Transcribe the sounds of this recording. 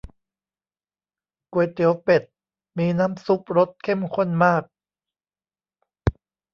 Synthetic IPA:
ku˨˩əjt̪ʰi˨˩˦əwpe˨˩t̪̚ | miː˧naː˦˥msu˦˥p̚ɾo˦˥t̪̚kʰe˥˩mkʰo˥˩nmaː˥˩k̚

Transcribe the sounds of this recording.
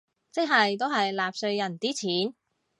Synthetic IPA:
t͡sɪ˥k̚ɦɐ˨jt̪o˥wɦɐ˨jlaː˨p̚sɵ˧ɥjɐ˨˩nt̪iː˥t͡sʰiː˨˥n

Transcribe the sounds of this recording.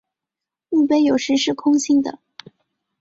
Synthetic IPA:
u˥˧pe˧˥ɪjo˨˩ʊʂɻ̩˧˥ʂɻ̩˥˩kʰʊ˥ŋɕi˥ŋd̪ə̰˨

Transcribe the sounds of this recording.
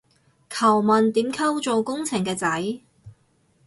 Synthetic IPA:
kʰɐ˨˩wmɐ˨nt̪iː˨˥mkʰɐ˥wt͡so˨wkʊ˥ŋt͡sʰɪ˨˩ŋkɛː˧t͡sɐ˨˥j

